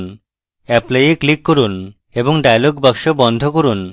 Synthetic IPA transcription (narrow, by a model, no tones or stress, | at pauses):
n | ɛplejeklikːoɾun | eboŋɖajaloɡbakʃobɔnd̪ʱokoɾun